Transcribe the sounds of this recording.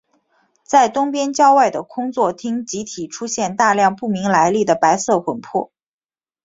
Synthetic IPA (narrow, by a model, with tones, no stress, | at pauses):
t͡sa˥˩ɪt̪ʊ˥ŋpjɛ˥nt͡ɕjɑ˥ʊwa˥˩ɪd̪ə˩kʰʊ˥ŋt͡swɔ˥˩t̪ʰi˥ŋt͡ɕi˧˥t̪ʰi˨˩ʈ͡ʂʰu˥ɕjɛ˥˧nt̪a˥˧ljɑ˥˧ŋpu˥˩mi˧˥ŋla˧˥ɪli˥˩d̪ə˩pa˧˥ɪsɤ˥˩xwə˨˩npʰwɔ̰˥˩